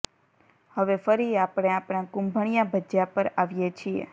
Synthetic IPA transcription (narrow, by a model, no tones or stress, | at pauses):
həʋefəɾiapɽ̃eapɽ̃ãkũmbʱəɳ̃ijabʱəd͡ʒjapəɾaʋjet͡ʃʰiḛ